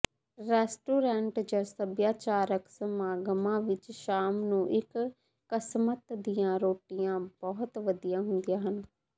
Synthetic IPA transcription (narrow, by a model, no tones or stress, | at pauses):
ɾɛːsʈuːɾɛ̃ːɳʈd͡ʒəsəbjaːt͡ʃaːɾəksəmaːɡəmãːʋɪt͡ʃʃaːmnũːʔɪkː | əsmət̪d̪ijãːɾoːʈɪjãːbɔːt̪ʋəd̪ijãːɦʊnd̪ijãːɦən